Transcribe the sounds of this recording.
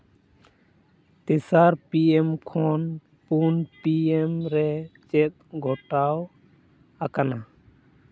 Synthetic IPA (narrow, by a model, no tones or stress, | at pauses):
t̪ɛsaɾpiɛmkʰɔn | punpiɛmɾɛt͡ʃɛt̪̚ɡʱɔʈaw | akana